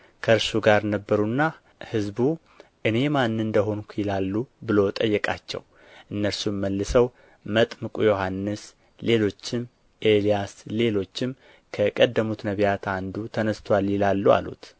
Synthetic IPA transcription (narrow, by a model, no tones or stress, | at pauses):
kʰəɾsuɡaɾnəbːəɾunːa | hɨzbu | ʔɨne̞manːɨnd̪əɦo̞nkʷʰujɪlalːubɨlo̞t̪ʼəjːɛkʼa̰t͡ʃːɛ̰w | ʔɨnːəɾsumməlːɨsəw | mət̪ʼmɨkʼujo̞hanːɨs | le̞lo̞t͡ʃːɪm | ʔe̞lijasle̞lo̞t͡ʃːɪm | kʰəkʼəd̪ːəmut̪nəβijat̪ʰand̪ut̪ʰənəst̪ʰwaljɪlalːua̰lṵt̪